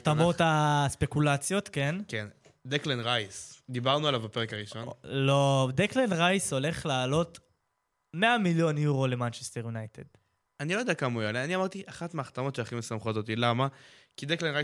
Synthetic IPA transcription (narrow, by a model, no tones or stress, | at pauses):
t̪amo̞taspe̞kulat͡sjo̞t̪kenken | d̪eklenʁajsd̪ibaʁnualavbape̞ʁekaʁiʃo̞nlo̞d̪eklenʁajso̞le̞χlaːlo̞t̪ | me̞amiljo̞njuʁo̞le̞mant͡ʃest̪eʁjunajt̪ed̪ | anilojdɛakamaujaleaniamaʁt̪iʔaχat̪meaχt̪amo̞t̪ʃeaχimesamχotot̪ilamakid̪eklenʁaj